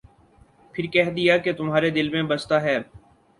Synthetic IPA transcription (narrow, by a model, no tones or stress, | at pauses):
pʰɪɾkɛɦd̪ijaket̪ʊmɦaːɾed̪ɪlmẽbɐst̪aɦɛː